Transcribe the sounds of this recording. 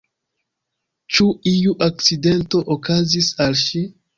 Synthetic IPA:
t͡ʃuijuʔak̚t͡side̞nto̞ʔokazisalʃi

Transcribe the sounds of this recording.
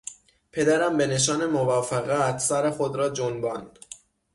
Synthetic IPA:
pʰe̞d̪æɾæmbe̞ne̞ʃ̬ɒːne̞movɒːfeɣæt̪ʰsæɾexod̪ɾɒːd͡ʒonbɒːnd̪̥

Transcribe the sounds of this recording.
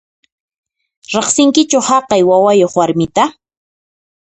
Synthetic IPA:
ɾeχsɪŋkɪt͡ʃohɑqɑjwawajoχwaɾmɪt̪a

